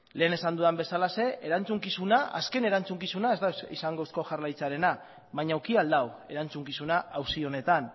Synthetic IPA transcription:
le̞ːne̞sand̪uambe̞salase̞ʔeɾant͡suŋkisunaa̰ske̞ne̞ɾant͡suŋkisunae̞zt̪aisaŋɡousko̞ʝaɾlajt͡saɾe̞na | βaɲawkiald̪awe̞ɾant͡suŋkisunaawsio̞ne̞t̪an

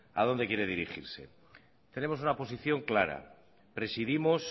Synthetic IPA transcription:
a̰ðo̞nd̪e̞kjeɾe̞ðiɾixiɾse̞̰ | t̪ene̞mo̞sunapo̞s̬iθjo̞ŋklaɾa̰ | pɾe̞siðimos

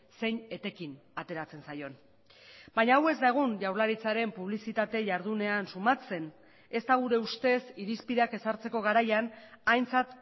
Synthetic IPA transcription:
se̞jɲe̞t̪e̞kinat̪e̞ɾat͡se̞nsajo̞n | baɲaːwe̞zd̪aeɣ̞unʝawɾlaɾit͡saɾe̞mpuβ̞lisit̪at̪e̞ʝaɾð̞une̞ansumat͡se̞n | e̞st̪aɣuɾe̞ust̪e̞siɾispiðeake̞saɾt͡se̞ko̞ɣ̞aɾajanajnt͡sat̪

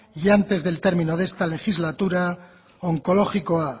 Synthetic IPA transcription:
iant̪e̞zðe̞lt̪e̞ɾmĩnoðe̞st̪ale̞xizlat̪uɾa | oŋko̞lo̞χikoa

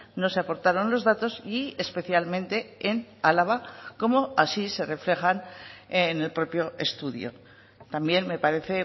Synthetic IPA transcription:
no̞se̞apo̞ɾt̪aɾo̞nlo̞zðat̪o̞siespe̞θjalmẽ̞nt̪e̞enalaβ̞ako̞mo̞asise̞re̞fle̞xanene̞lpɾo̞pjo̞e̞st̪uðjo̰ | t̪ambje̞nme̞paɾe̞θe̞

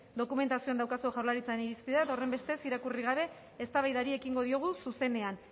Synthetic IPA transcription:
d̪o̞kume̞nt̪asioand̪awkasuoʝawɾlaɾit͡saeniɾispiðaet̪ao̞re̞mbe̞st̪e̞siɾakuriɣ̞aβ̞e̞ː | st̪aβajðaɾie̞kiŋɡo̞ðio̞ɣ̞ususe̞ne̞an

